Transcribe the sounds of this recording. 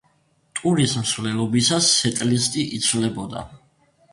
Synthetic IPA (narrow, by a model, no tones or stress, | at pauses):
t̪ʼuɾismsvlɛlˠɔbisasːɛt̪ʼlist̪ʼiʔit̪sʰvlɛbɔd̪a̰